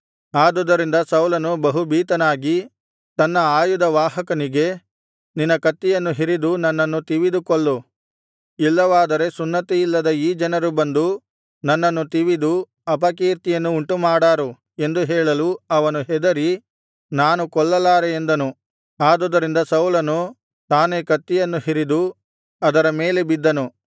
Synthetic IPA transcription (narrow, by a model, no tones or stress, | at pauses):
aːd̪ɔd̪ɐɾind̪ɐsɐwlɐnubɐɦubiːt̪ɐnaːɡi | t̪ɐnːɐaːjud̪ɐʋaːɦɐkɐniɡe̞ | ninːɐkɐt̪ːijɐnːuɦiɾid̪unɐnːɐnːut̪iʋid̪ukɔɭːu | ilːɐʋaːd̪ɐɾe̞sunːɐt̪iilːɐd̪ɐiːd͡ʒɐnɐɾubɐnd̪u | nɐnːɐnːut̪iʋid̪u | ɐp̬ɐkiːɾt̪ijɐnːuːɳʈumaːɽaːɾu | e̞nd̪uɦɛːɭɐluɐʋɐnuɦɛd̪ɐɾi | naːnukɔɭːɐlaːɾeend̪ɐnu | aːd̪oːd̪ɐɾind̪ɐsɐwlɐnu | t̪aːne̞kɐt̪ːijɐnːuhiɾid̪u | ɐd̪ɐɾɐmeːlebid̪ːɐnu